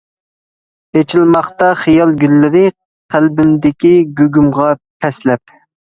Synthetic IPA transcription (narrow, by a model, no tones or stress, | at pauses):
et͡ʃʰilmɑχt̪ɑχijɑlˠɡʲylːɪɾɪ | qʰælbɪmd̪ɪkʲiɡʲøɡʲymʁɑpʰɛslɛp